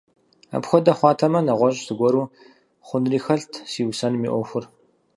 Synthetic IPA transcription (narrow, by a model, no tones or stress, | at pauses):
a̰pxʷɔdɐχʷɑːtʰɐmɐnɐʁʷɔʑsɨɡʷɔɾuː | χʷʊnriːxɐɬtʰsiːwsɐnmiːʔʷɔxʷʊr